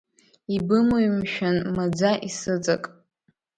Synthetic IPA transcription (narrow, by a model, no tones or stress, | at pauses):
ibɨmoɥmʃᶣanmad͡zaʔisɨt͡sʼa̰kʼ